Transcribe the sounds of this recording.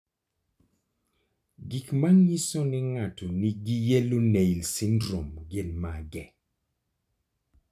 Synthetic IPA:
ɡikmaŋjisonɪŋatoniɡijeloneilsindɾomɡenmaɡɛ

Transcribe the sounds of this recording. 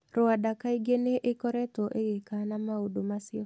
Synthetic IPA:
ɾʊadakaiɡeneʔekɔɾɛt̪ɔʔeɡekanamaodomasɪɔ

